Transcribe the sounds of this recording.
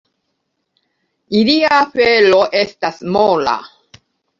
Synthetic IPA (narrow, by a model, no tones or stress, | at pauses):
iliafeloʔe̞stasmola̰